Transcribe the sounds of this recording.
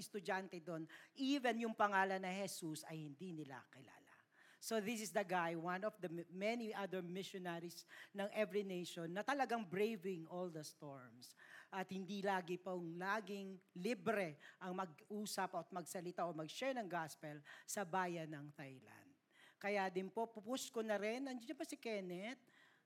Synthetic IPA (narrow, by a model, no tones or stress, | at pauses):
ɪst̪ʊd͡ʒant̪ɛd̪onʔiːvɛnjʊŋpɐŋaːlɐnːɐŋhɛsusɐjhɪnd̪inɪla̰kɪla̰ːla̰ | soðɪsɪsd̪ɐɡajwãnɔvd̪ɐmɛniʔaðɛɹmɪʃɔnɛɹisnɐŋʔɛvɹinejʃɔnːɐt̪ɐlɐɡaŋbɹejvɪŋʔold̪ɐst̪oɹmsʔɐt̪̚hɪnd̪ilaːɡɪpɐŋlaːɡɪŋlibɾɛʔɐŋmɐɡ̚ʔuːsɐpɔt̪̚mɐɡsɐlɪt̪aʔomɐɡʃɛɹnɐŋɡaspɛlsɐbaːjɐnːɐŋt̪ajla̰nd̪̚kɐjad̪ɪnpo̞pʊpʊskonɐɾɪnɐnd͡ʒɪnʊbɐsɪkɛnɛt̪̚